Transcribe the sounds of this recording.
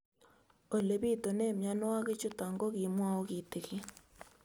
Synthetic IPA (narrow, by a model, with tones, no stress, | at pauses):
o˨le˨βi˦to˨neː˦mja˦no˦wa˦ɣe˦t͡ʃu˦ta˨ŋɡo˦ɣi˨mwa˦o˦ɣi˨te˨ɣje˦